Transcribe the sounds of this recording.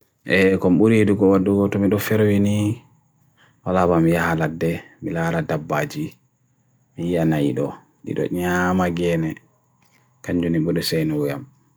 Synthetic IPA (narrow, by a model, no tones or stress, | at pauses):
ʔɛkɔmɓuɾiduɡɔwaɗːuɡɔtɔmiɗɔfɛɾwini | walabamijahaladɛ | milaɾadabːad͡ʒi | mijianajiɗɔ̰ | ɗḭɗɔ̰ɲamaɡɛnɛ | kaɲd͡ʒuniɓɔɗɔsɛjnɔwujam